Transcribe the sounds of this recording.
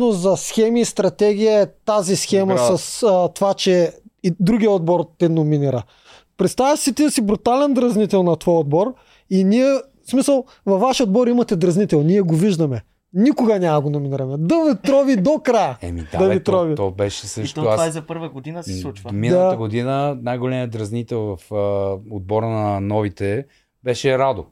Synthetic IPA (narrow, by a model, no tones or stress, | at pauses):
nozɐsxɛmiːst̪ɾɐt̪ɛɡ̟ʲijəɛt̪azisxɛmɐsɐst̪ovat͡ʃɛid̪ɾuɡijəod̪bɔɾt̪ɛnominiɾɐ | pɾɛt̪st̪avəʃsit̪isibɾut̪alɛnd̪ɾɐznit̪ɛlˠnɐt̪vɔjod̪̚bɔɾ | iniɛ | smisəlˠ | vɐfːaʃiod̪bɔɾimɐt̪ɛd̪ɾɐznit̪ɛlˠniɛɡoviʒd̪ɐmɛ | nikʊɡɐnʲamɐɡonominiɾɐmɛd̪ɐvit̪ɾɔvid̪okɾajəɛ̰mid̪ad̪ɐvit̪ɾɔvit̪ɔbɛʃɛsəʃt̪oavazɛpəɾvɐɡod̪inɐsɛsˠut͡ʃminat̪əɡod̪inənajɡolɛmiəd̪ɾɐznit̪ɛlˠvɐfəod̪̚bɔɾnɐnɔvit̪ɛ | bɛʃɛɾad̪o